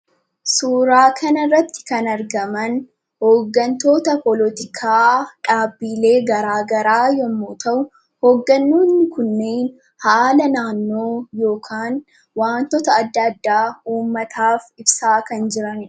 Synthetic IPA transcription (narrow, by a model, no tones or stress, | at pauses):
suːɾaːkʰɐnɐrːɐt̪ːɪ̥kɐnɐɾɡɐmɐn | hoːɡːɐnt̪o̞ːt̪ɐpɔlɔt̪ɪkʰaːᶑaːbːiːle̞ːɡɐɾaːɡɐɾaːjɔmːoːt̪ʰɐʔʊ | hoːɡːɐnːuːnːɪkʊnːe̞ːn | haːlɐnaːnːo̞ːjo̞ːkʰaːn | waːnt̪ɔt̪ɐːd̪ːɐd̪ːaːuːmːɐt̪ʰaːfɪbsaːkɐnd͡ʒɪɾɐnᶑ